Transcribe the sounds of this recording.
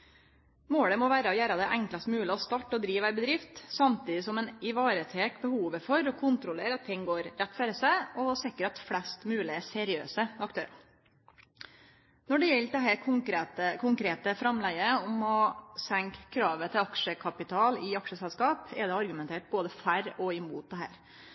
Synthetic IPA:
moːɽəmɔʋæːɾəɔjæːɾɑd̪ɛʔæŋklɑst̪mʉːlɪɔst̪ɑːʈːɔd̪ɾiːʋɑɪbəd̪ɾɪft̪sɑmt̪ʰiːd̪ɪsɔmɛnɪʋɑːɾət̪ʰeːkbəhuːʋəfɔɾɔkʰʊnt̪ɾʊleːɾɑt̪ʰːɪŋːɡoːɾːɛt̪ːføːɾəsæɪɔsɪkːəɾɑt̪flɛst̪mʉːlɪəsɛɾɪø̰ːsəɑkt̪ʰøːɾɑ̰ | nɔɖɛjɛld̪ɛɦæɾkʰʊŋkɾet̪əkʰʊŋkɾeːt̪əfɾɑmlæɡəɔmɔsæŋkkʰːɾɑːʋət̪ʰɪlɑkʂəkʰɑpɪt̪ʰɑːlɪɑkʂəsɛlskɑːpɛ̰d̪ɛɑɾɡʉmɛnt̪ʰeːʈ̚boːd̪əfæɾɔɪmuːt̪̚d̪ɛɦæ̰ːɾ

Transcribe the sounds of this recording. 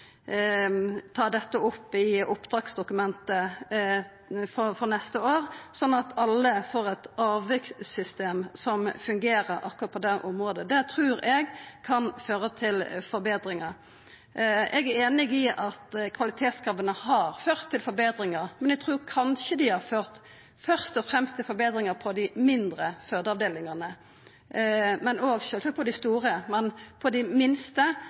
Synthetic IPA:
t̪ʰɑːd̪ɛt̪ːəʊpːɪʊpːd̪ʁɑːksd̪ʊkʉmɛnt̪ə | fɔfɔnɛst̪əoːɾsɔnːɑt̪ɑlːəfoːʁɛt̪ɑːʋɪk̪sʏst̪eːmsɔmfʉŋɡeːɾəɾɑ̰kːɔʁɑt̪̚pʰɔd̪ɛʔʊmʁoːd̪əd̪ɛt̪ʰɾʉːɾɛɡkʰɑnføːɾət̪ʰɪlfɔɾbeːd̪ɾɪŋəɾ | ɛɡæɾeːnɪɡɪʔɑt̪kʰʋɑlɪt̪ʰeːt̪skɾɑːbənəhɑɾføːʁt̪ʰːɪlfɔɾbeːd̪ɾɪŋəɾmɛnɛɡ̚t̪ʰʁʉːɾkʰɑnʃəd̪ɪhɑʁføːʁt̪ | fœʁst̪ɔfʁɛmst̪ʰɪlfɔɾbeːd̪ɾɪŋəpʰɔd̪ɪmɪnd̪ɾəføːd̪əɑʋd̪eːlɪŋəʁnə | mɛnoːɡʃøːlsɛk̪̚pʰɔd̪ɪst̪uːʁəmɛnpʰɔd̪ɪmɪnst̪ə

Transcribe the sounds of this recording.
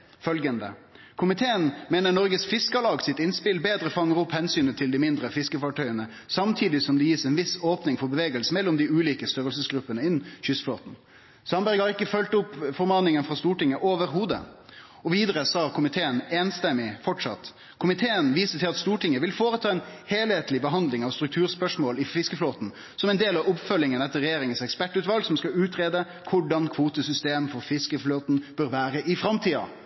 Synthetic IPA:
fœlɡənd̪ə̰ | kʰʊmɪt̪ʰeːənmeːnəɾɳɔɾɡəsfɪskəlɑːɡsɪt̪ɪnspɪlbeːd̪ɾəfɑŋːəɾʊphɛnsyːnət̪ʰɪld̪ɪmɪnd̪ɾəfɪskəfɑːʈʰœʏənə | sɑmt̪ʰiːd̪ɪsɔmd̪ɛjiːsɛːnʋɪsoːpnɪŋfɔɾbəʋeːɡəlsəmɛlːɔmd̪ɪʉːliːkəst̪œɾəlsəsɡɾʉpːənəɪnːçʏsflo̰ːt̪n̩ | sɑnbæɾɡhɑɾɪkːəfœlt̪ʊpːfɔɾmɑːnɪŋənfʁɑst̪uːʈɪŋːəʔoːʋəɾɦuːd̪ə̰ | ɔʋiːd̪əɾəsɑːkʰʊmɪt̪ʰeːəneːnst̪ɛmɪfɔʈʂɑ̰t̪ː | kʰʊmɪt̪ʰeːənʋiːsət̪ʰɪlɑt̪st̪uːʈɪŋːəʋɪlfoːɾət̪ʰɑːɛnheːlheːt̪lɪbəɦɑnd̪lɪŋɑʋst̪ɾʉk̚t̪ʰʉːɾspœʂmoːlɪfɪskəfloːt̪n̩ | sɔmɛnd̪eːlɑʋʊpfœlːɪŋənɛt̪ːəɾːɛjeːɾɪŋənsɛkspæʈːʉːt̪ʋɑlɡsɔmskɑʉːt̪ɾeːd̪ə | kʰʊɖɑnkʰʋuːt̪əsʏst̪eːmfɔɾfɪskəfloːt̪n̩b̥øːɾʋæːɾəʔɪfɾɑmt̪ʰiːɑ̰

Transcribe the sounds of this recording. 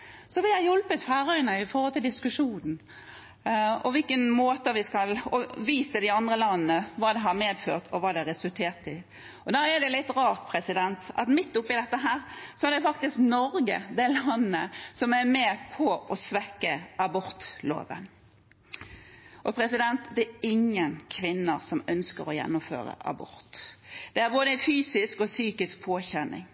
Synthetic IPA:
sɔʋɪhɑɾjɔlpət̪fæːɾœnəɪfɔhɔlt̪ʰɪld̪ɪskʉʂuːnn̩ | ɔ̰ʋɪlkənmoːt̪əʋɪskɑlɔʋiːsəd̪ɪɑnd̪ʁəlɑnənəʋɑːd̪ɛɦɑɾmeːd̪føːʁt̪ʰɔʋɑːd̪ɛɾɛsʉlt̪ʰeːɾt̪ɪ | ɔd̪æːɾɛd̪ɛlɪt̪ːɾɑːʁt̪pʰɾɛsɪd̪ɛnt̪ɑ̰t̪mɪt̪ːʊpːɪd̪ɛt̪ːəɦæːɾsɔæd̪ɛfɑkt̪ɪsknɔɾɡə̰d̪ɛlɑnːəsɔmæɾmeːpʰɔɔsʋɛkːəɑbɔɾt̪lo̰ːʋə̰n | ʔɔpʰɾɛsɪd̪ɛnt̪d̪ɛɪŋːənkʰʋɪnːəsɔmœnskəɾɔjɛ̰nːʊmfø̰ːɾə̰ʔɑ̰bɔ̰ɾt̪d̪̥ɛæɾboːd̪əæfyːsɪskɔsyːkɪsk̚pʰoːçɛnːɪ̰ŋ

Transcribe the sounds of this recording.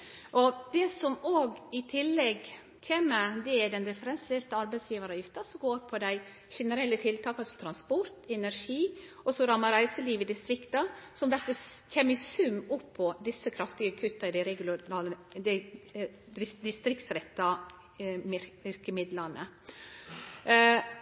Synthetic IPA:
ʔɔd̪ɛsɔmoːɡɪt̪ʰɪlːɛɡ | çʰeːmːəɾd̪ɛæd̪ɛnd̪ɛfəɾɛnseːɾt̪əɑɾbæɛɪsjiːʋəɾɑjɪft̪əsɔɡoːɾpʰɔd̪æɪ | ʃɛnəɾɛlːət̪ʰɪlt̪ʰɑːkɑlsɔ̥t̪ʰɾɑnspɔɾt̪ɛnæɾʂiː | ɔsɔɾɑmːɑɾæɪsəliːʋɪd̪ɪst̪ɾɪkt̪ɑsɔmʋæɾkəçʰeːmːəɪsʉmːʊpʰːɔd̪ɪsːəkʰɾɑft̪ɪɡəkʰʉt̪ːɑɪd̪ɪɾɛɡʊɑːləd̪æ | d̪ɪst̪ɾɪkt̪sɾɛt̪ːɑ | ɪɾkəmɪd̪lɑnə

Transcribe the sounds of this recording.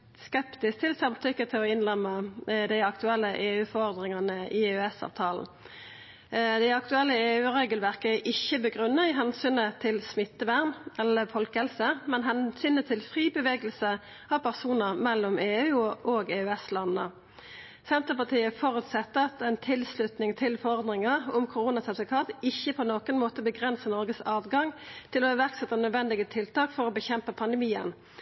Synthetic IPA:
skɛpt̪ɪs̚t̪ʰɪlsɑmt̪ʰʏkːət̪ʰɪlɔɪnlɛmːəd̪æɪɑkt̪ʉɛlːəʔeːʉːfɔɔʁd̪ʁɪŋɑnəʔɪeːʉɛsɑ̰ːʋt̪ʰɑːln̩ | d̪æɪɑkt̪ʉɛlːəeːʉːʁeːɡəlʋæʁkəʔɪçəbəɡʁʉnːəɪɦɛnsyːnət̪ʰɪlsmɪt̪ːəʋæʁnɛlːəfɔlkəhɛlsəmɛnɦɛnsyːnət̪ʰɪlfʁiːbəʋeːɡəlsə | ɑʋpʰæʁsuːnəʁmɛlːɔmeːʉːʔoːɡeːʉɛslɑnːə | sɛnt̪əpɑʁt̪ʰiːəfɔʁʉt̪sɛt̪ːəɑt̪ɛɪnt̪ʰɪlslʉt̪nɪŋt̪ʰɪlfɔʁɔʁd̪nɪŋəʁʊmkʰʊʁuːnɑsɑd̪ʋɪkʰɑːt̪ɪçəpʰoːnoːkənmoːt̪əbəɡʁɛnsənɔʁɡəsɑːʋɡɑŋt̪ʰɪlɔɛʋæʁksɛt̪ːənœd̪ʋɛnd̪ɪɡət̪ʰɪlt̪ɑːkfɔʁobəçɛmpəpʰɑnd̪əmiːə̰n

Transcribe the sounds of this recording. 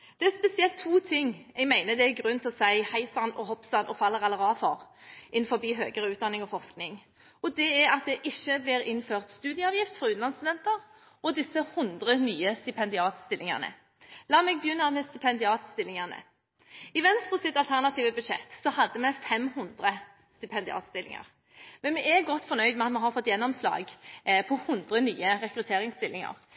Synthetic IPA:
d̪̥ɛæspɛsɪɛlt̪ʰːuːt̪ʰɪŋːɛɡmæɪnəd̪ɛæɡɾʉnt̪ʰɪɔsæɪhæɪsɑnɔhɔpsɑnʔɔfɑlːəʁɑlːəʁɑːfɔɾʔɪnfɔɾbiːɦø̰ːɡəɾəʉːt̪̚d̪ɑnɪŋɔfɔʁsknɪŋ | ɔd̪ɛɛɾɑt̪̚d̪ɛʔɪçːəblɪːɾɪnføːʁt̪st̪ʉːd̪ɪəɑːʋjɪft̪fɔɾʉːɑnst̪ʉd̪ɛnt̪əɾ | ɔd̪ɪsːəhʊnd̪ʁənyːəst̪ɪpʰɛnd̪ɪɑːt̪st̪ɪlːɪŋɑ̰ʁnə̰ | lɑːmɛɡ̚bəjʉnːɑmɛst̪ɪpʰɛnd̪ɪɑːt̪st̪ɪlːɪŋɑʁnə̰ | ɪʋɛnst̪əsɪt̪ːɑlt̪ʰæʁnɑt̪ʰiːʋəbʉd̪ʃɛ̰t̪ːsɔhɑd̪ːəmɛfɛmhʊnd̪ɾə | st̪ɪpʰɛnd̪ɪɑ̰ːt̪st̪ɪlɪ̰ŋɑ̰ɾ | mɛnmɛɛɡɔt̪ːfɔnœʏd̪mɛɑt̪mɛɦɑɾfɔt̪ːjɛnːɔmslɑ̰ːɡpʰɔhʊnd̪ʁənyːəɾɛkɾʉt̪ʰeːɾɪŋst̪ɪlːɪŋɑ̰ɾ

